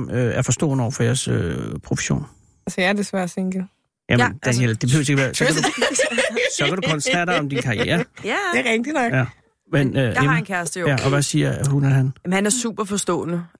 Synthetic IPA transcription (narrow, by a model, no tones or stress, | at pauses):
møæɐfɒ̽sd̥ɔ̰ːnəɒʊɐfɒ̽jæɐsø̰pʰʁo̝fə̥ɕo̝̰ːn | ælsəjɑɐd̥esʋæɐ̰̥seŋɡ̥l̩ | jæmend̥æneld̥e̝b̥ehøʊseɡəʋæːɐsɒ̽kædu | sɒ̽kæɾukʰɒ̽nsd̥æd̥ɐɒ̽md̥inkʰɑ̈ʁiḛːɐjeʁɛɡ̥̚d̥inɒɡ̥jæ | menøenkʰæɐsd̥əjojæʔɒ̽ʋæsiːɐhunæɦænmnhænæɐsṵːb̥ɐfɒ̽sd̥ɔ̰ːnə